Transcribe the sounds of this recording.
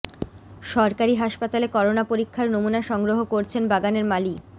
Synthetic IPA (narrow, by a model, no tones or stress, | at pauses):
ʃɔɾkaɾiɦaʃpat̪alekɔɾonapoɾikʰːaɾnomunaʃɔŋɡɾoɦokoɾt͡ɕʰenbaɡaneɾmali